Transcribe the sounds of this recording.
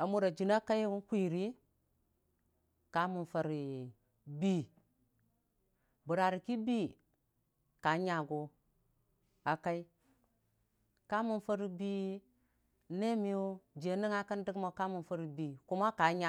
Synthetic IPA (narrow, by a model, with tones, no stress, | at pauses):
a˨mu˨ɾa˨d͡ʒi˨na˦ka˦wu˦nkʷi˦˨ɾi˦ | ka˨˦mu˨nfa˨ɾi˨ | bi˦ | bu˨ɾa˨ɾi˨ki˦bi˦ | ka˨˦ɲa˨ɡo˨ | a˨ka˦i˦ | ka˦mu˨nfa˦ɾi˨bi˦ | ne˦mi˨jo˦d͡ʒe˨ni˦ŋa˦kə˦ndi˦ɡma˨ka˦mu˨nfa˦ɾi˨bi˨ku˦ma˦ka˨˦ɲa˨